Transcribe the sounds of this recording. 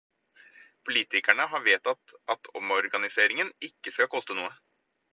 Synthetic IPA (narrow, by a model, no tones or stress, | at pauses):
pʰʊliːt̪ɪkæɳəɦɑːʋeːt̪ɑt̪ʔɑt̪ʰɔmɔɾɡɑnɪseːɾɪŋənɪkːəskɑkʰɔst̪ənuːə